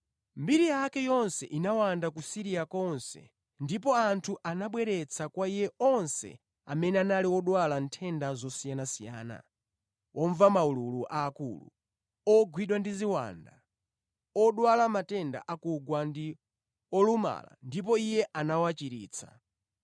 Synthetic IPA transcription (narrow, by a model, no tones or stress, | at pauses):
mbiɾijakɛjɔnsɛʔinawandakusiɾijakɔnsɛ̰ | ndip̬ɔantʰuʔanaɓwɛɾɛt͡sʰakwaijɛɔnsɛ̰ | amɛnɛanaliɔɗwalantʰɛndazɔsijanasijaːna̰ | wʔɔɱvamaululuʔaːkṵːlṵ | ɔɡwiɗwandiziwa̰ːnda̰ | ɔɗwalamatɛnda̰ʔakuɡwandi | ɔluma̰la̰ndip̬ɔijɛʔanawat͡ʃiɾḭːt͡sʰa̰